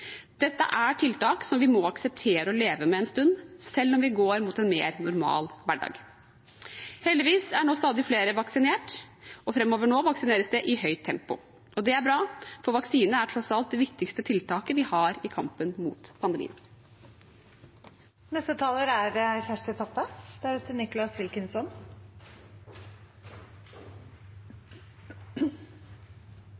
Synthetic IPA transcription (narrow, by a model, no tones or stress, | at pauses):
d̪̥ɛt̪ːə̰ʔæʈʰɪlt̪ɑːksɔmʋɪmɔɑksəp̚t̪ʰeːɾəɔleːʋəmɛɛnst̪ʉnd̪sɛlːɔmʋɪɡoːɾmuːt̪ɛnmḛːɾnʊɾmɑ̰ːlʋæɖɑ̰ːɡ | hɛld̪ɪʋiːsæɳoːst̪ɑːd̪ɪfleːɾəʋɑksɪneːʈɔfɾɛmːoːʋəɳoːʋɑksɪneːɾəsd̪ɛʔɪhœʏt̪ʰːɛmpʊ̰ | ʔɔd̪ɛæɾbɾɑːfɔɾʋɑksiːnəæʈʰɾɔsɑlt̪̚d̪ɛʋɪkt̪ɪkst̪ət̪ʰɪlt̪ʰɑːkəʋɪhɑːɾɪkʰɑmpənmṵːt̪pʰɑnd̪əmḭːən | nɛst̪ət̪ʰɑːləɾæɾçæʂʈət̪ʰɔpːəd̪̥æɾʉt̪ʰənɪkʊlɑsʋɪlkənsɔn